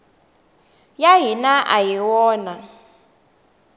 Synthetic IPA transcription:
jaɦinaʔa̰jiwɔːna

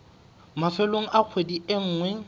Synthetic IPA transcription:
mafɛloŋ̩ʔak͡xʰwediɪŋ̩ːŋwɛ

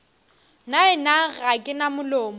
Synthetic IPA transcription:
naɪnaɣakʼɪnamʊloːmɔ

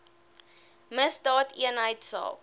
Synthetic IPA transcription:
məsdɑːtʰiənɦəjtsɑ̰ːl

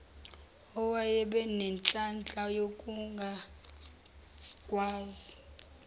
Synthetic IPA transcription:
ɔwajɛɓɛnɛnt͡ɬʼant͡ɬʼajokʼuŋɡʱa | kʼwaːzi

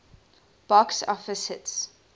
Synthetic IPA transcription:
b̥ɔksɔ̰fəsɪts

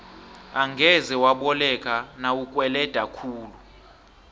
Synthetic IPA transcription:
aŋɡʱɛzɛwaɓɔlɛkʼanawukʼwɛlɛd̥ʱakʰuːlu

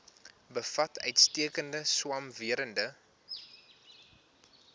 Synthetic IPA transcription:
bəfɐtœɥtstiəkəndəswɐmviəɾəndə

